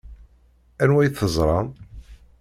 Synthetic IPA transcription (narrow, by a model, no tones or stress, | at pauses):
ænwæjθəzˤɾˤɑn